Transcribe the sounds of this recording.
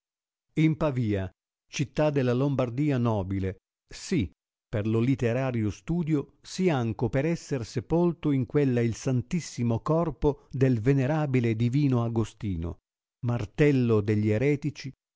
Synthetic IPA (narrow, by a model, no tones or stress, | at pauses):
impaviːa | t͡ʃit̪ːad̪ːelːalombard̪iːanɔːbile | si | perlʊlit̪ːeɾaːɾjost̪uːd̪josiaŋkopeɾɛsːersepolt̪ʊiŋkwelːailsant̪isːimokɔrpod̪elveneɾaːbiled̪iviːnoaɡost̪iːno̰ | mart̪ɛlːod̪eʎːieɾɛːt̪it͡ʃi